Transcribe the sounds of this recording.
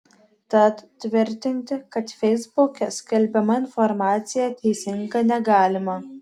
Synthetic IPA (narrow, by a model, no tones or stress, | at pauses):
t̪ɐt̪t̪ːʲʋʲɪɾʲt̪ʲɪnʲt̪ʲɪkɐt̪fʲɛɪzbʊkʲɛskʲɛlʲbʲɛmɐɪnfɔɾmɑːt̪sʲɪjɛt̪ʲɛɪsʲɪŋɡɐnʲɛɡɑːlʲɪmɐ